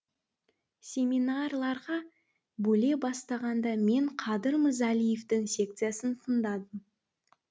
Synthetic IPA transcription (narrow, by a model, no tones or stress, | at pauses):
sʲe̞mʲinarlˠɑɾʁɑ | bɵle̞bɑst̪ɑʁɑnd̪ɑme̞ɴqʰɑd̪əɾməzælijeft̪ɪŋsʲe̞k̚t̪sɨjasənt̪ʰənd̪ɑd̪əm